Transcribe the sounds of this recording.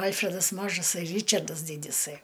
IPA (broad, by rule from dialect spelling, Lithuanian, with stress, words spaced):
ˈɐlʲfʲrʲɛdɐs ˈmɑːʒɐsɐɪ ˈrʲiːt͡ʃɐrdɐs ˈdʲiːdʲɪsɐɪ